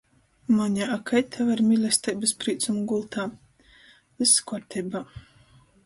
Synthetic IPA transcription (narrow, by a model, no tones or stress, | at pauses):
maɲʲaʔakʰajt̪ʰavaɾmʲilʲɛst̪ɛjbɨspɾiːt̪sumɡulˠt̪ʰaː | lɨskɔɾt̪ʲʰɛjba